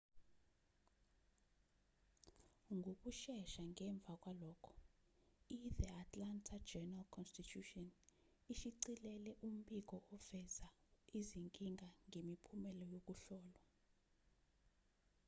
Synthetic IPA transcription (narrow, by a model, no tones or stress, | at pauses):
ŋɡʱok̬ʼuʃɛʃaŋʱɛɱb̪vʱak̬ʼwalɔːkʰɔ̥ | iðɛatʼlantʰad͡ʒɛnalkʰɔnstitʰutɔn | iʃiǀilɛlɛʔum̩ɓik̬ɔʔɔvɛzaiziŋkʼiŋɡʱaŋʱemipʰumɛlɔjok̬ʼuɬɔːlwa